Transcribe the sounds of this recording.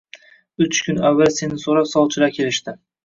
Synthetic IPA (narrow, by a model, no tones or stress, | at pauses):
ʊt͡ʃkʲʰʊnavːalse̞nɪsoɾapsɒlˠt͡ʃʰɪlakʲʰe̞lɪʃt̪ɪ